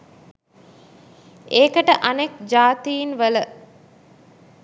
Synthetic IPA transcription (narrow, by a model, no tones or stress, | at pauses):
eːkəʈəʔanekd͡ʒaːt̪ijinʋələ